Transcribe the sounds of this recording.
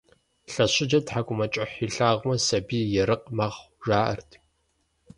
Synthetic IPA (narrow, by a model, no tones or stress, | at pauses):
ɬɐɕɪd͡ʒɐtħakʷʼʊmɐt͡ʃʼɐħiːɬaːʁʷmɐsɐbiːjɛɾɨqmaʁ | ʒaːʔɐ̰rtʰ